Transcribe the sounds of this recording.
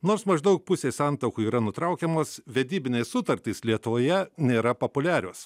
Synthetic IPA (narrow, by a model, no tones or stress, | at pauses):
noːɾsmɐʒd̪ɐʊk̚pʊsʲeːsɐnt̪ɐʊkuːiːɾɐnʊt̪ɾɐʊkʲɛmoːsʋʲɛd̪ʲiːbʲɪnʲeːssʊt̪ɐɾʲt̪ʲislʲiɛt̪ʊʋoːjɛnʲeːɾɐpopʊlʲæːɾʲoːs